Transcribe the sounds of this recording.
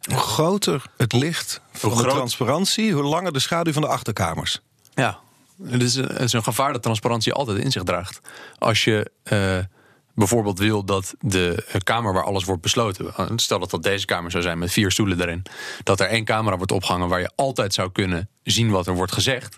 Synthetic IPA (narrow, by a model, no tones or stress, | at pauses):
ɦuχrowtəɹətlɪχtfndərɑnsparɑntsiɦulɑŋəɹdəsχaːdyvɑndəɑχtəɹkaːmə̰ɹs | ja | tɪsə̰tɪsənχəvaːɹdɑtːrɑnspaɾɑntsiʔɑ̰lˠtɛjtɪ̰nzɪχdraːχtʔɑ̰lˠsjəə | bɛjvoːɹbeːlˠtʋɪlˠdɑtdəkaːməɹʋaːɹʔɑ̰ləsʋɔɹt̚bəslowtəstɛlˠdɑtɑt̚dejzəkaːməɹzawzɛjnmɛtfiːɹstulədaːɾɪnd̥ɑtɛɹejnkaːməɾaːʋɔɹtɔ̰pχəɦɑŋəʋaːɹjə̰ʔɑlˠtɛjtsɑwkɵnəzinʋɑtɛɹʋɔɹtχəzɛχt